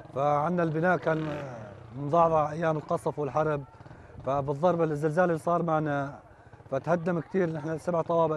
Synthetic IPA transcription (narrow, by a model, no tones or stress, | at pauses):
faʕɪnːalbɪnaːʔkaːn | mɪnðˤɑʕðˤʔajːaːmɪlqɑsˤfwɪlħɑɾˤb̚fabɨðˤːɑɾˤbalɪzːɪlzaːlɪsˤɑːɾˤmaʕna | fat̪had̪ːamkt̪iːɾnɪħnasabʕt̪ˤɑwɑːbɪ